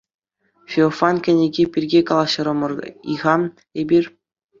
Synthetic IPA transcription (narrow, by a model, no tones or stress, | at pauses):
fʲeofɑnkʲɘ̆nʲeɡʲepʲirʲɡʲekɑlˠɑɕɤ̆ɾɤ̆mɤ̆rḭʁɑn | ebʲirʲ